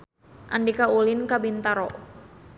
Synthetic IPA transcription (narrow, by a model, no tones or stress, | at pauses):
ʔandikaulɪnkabint̪aɾɔ